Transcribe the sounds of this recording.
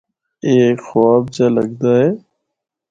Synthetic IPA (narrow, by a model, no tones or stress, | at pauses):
eːxaːb̚d͡ʒaːlə̰ɡd̪aːɦeː